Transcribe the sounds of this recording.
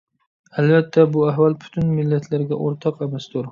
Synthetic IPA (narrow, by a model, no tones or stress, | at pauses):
albat̪ʰːabʊaɦvalpʰʊ̥t̪ʰʊnmɪlːat̪ʰlaɾɡʲaʔoɾt̪ʰɑqemast̪ʊɾ